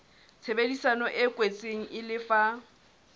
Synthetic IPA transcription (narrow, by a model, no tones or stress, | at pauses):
t͡sʰebedisanɔʔɛkʼwet͡sʼeŋ̩ʔɪlɪfa